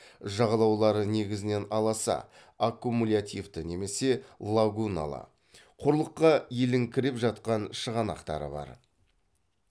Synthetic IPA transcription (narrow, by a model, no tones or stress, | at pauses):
ʒɑʁɑlˠɑwlˠɑɾəne̞ɡʲɪzɪne̞nɑlˠɑsɑ̰ | akːumulʲat̪ʲijvt̪əne̞me̞se̞lˠaɡuna̰lˠɑ̰ | qʰʊɾlˠəqːɑje̞lɪŋkʲʰɪɾe̞pʒɑt̪̚qɑnʃəʁɑnɑ̰qt̪ɑ̰ɾə̰bɑ̰ɾ